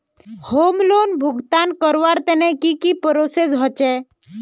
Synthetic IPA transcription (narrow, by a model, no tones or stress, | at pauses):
homloːnbʱʊɡt̪ankəɾʋaɾt̪ɛnɛkikipəɾosesɦɔt͡ʃɛ